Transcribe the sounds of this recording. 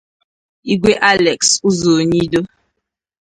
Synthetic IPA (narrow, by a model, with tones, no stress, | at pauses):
i˦ɡwe˦ʔa˦lɛ˨ksu˦zo˨ɲi˦do˦